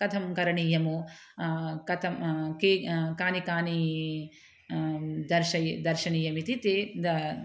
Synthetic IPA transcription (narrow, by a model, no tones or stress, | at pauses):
kɐt̪ʰɐmkɐɾɐɳiːjɐmu | kɐt̪ʰɐmkeːkaːnikaːni | d̪ɐɾʃɐjd̪ɐɾʃɐɳiːjɐmit̪it̪ed̪ɐ